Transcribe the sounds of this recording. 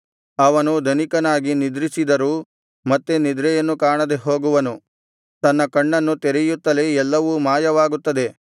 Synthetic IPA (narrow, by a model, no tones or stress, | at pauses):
ɐʋɐnud̪ɐnikɐnaːɡinid̪ɾisid̪ɐɾuː | mɐt̪ːenid̪ɾɛjɐnːukaːɳɐd̪eɦo̞ːɡuʋɐnu | t̪ɐnːɐkɐɳːɐnːut̪eɾɛjut̪ːɐleɛlːɐʋumaːjɐʋaːɡut̪ːɐd̪e̞